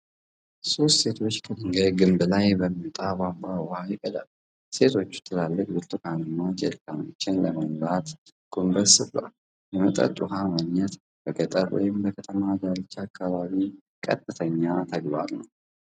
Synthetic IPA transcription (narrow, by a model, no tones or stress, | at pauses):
so̞st̪se̞t̪ʰo̞t͡ʃːkʰəd̪ɨŋɡəjɡɨmbɨlajbəmit̪ʼabambʷaʊhajɛkʼɨd̪a̰l | se̞t̪ʰo̞t͡ʃːu̥t̪ʰːɨlalːɨkʼbɨlt̪ʼɨkʰanɨmːad͡ʒḛlk̪ano̰t͡ʃːɪnləməmlat̪ | ɡ̥umbəsɨβla̰l | jɛmət̪ʼə̰t̪ʼːuɦamaɡɲɛt̪ | bəɡət̪ʼə̰ɾwɔ̰jɪmbəkʰət̪ʰəmad̪alt͡ʃːakʰːaβaβi | kʼə̰t̪ʼːɨt̪ʰəɲːat̪ʰəɡβa̰ɾnəw